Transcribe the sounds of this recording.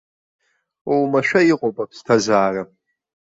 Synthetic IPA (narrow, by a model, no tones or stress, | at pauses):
owmaʃᶣaiqʼopʼapʰstʰazaːra